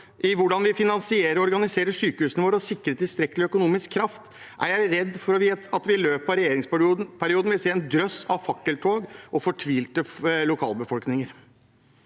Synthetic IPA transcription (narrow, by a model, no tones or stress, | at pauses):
ʔɪʋʊɖɑnʋɪfɪnɑnsɪeːɾəɾɔɔɾɡɑnɪseːɾəʂyːkəhʉːsnəʋoːɾɔsɪkːɾət̪ʰɪlst̪ɾɛkːəlɪœkʊnuːmɪskʰːɾɑft̪ | ʔæ̰ɾjæɪɾɛd̪ːfɔɾɔʋɪɑt̪ʋɪløːpɑɾɛjeːɾɪŋsp̪ːpʰæɾɪuːd̪nʋɪlseːɛnd̪ɾœsɑʋfɑkːəlʈ̪ʰoːɡʔɔfɔʈʰʋiːlt̪əlʊkʰɑ̰ːləbəfɔlknɪŋəɾ